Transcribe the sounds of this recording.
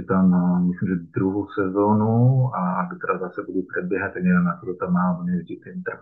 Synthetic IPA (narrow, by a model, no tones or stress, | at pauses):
ɛt̪ammɪslimʒɛd̪ɾuɦowsɛzonuaɡut̪ɛɾazasɛbudupr̥ɛbjɛɦat̪ːɛɛdanat̪oɾot̪amaːɦoɲɛɟit̪ɛnt̪ak